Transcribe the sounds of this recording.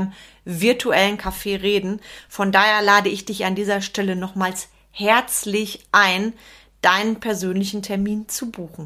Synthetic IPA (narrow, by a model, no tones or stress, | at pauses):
əm | vɪɐtʰuʔɛlənkʰafeːʁeːdn̩fɔndaːheːɐlaːdəɪçd̥ɪçandiːzɐʃtɛlənɔχmaːls | hɛɐt͡slɪçʔaɪn | d̥aɪnənpʰɛɐzøːnlɪçn̩tʰɛɐmiːnt͡subuːxn̩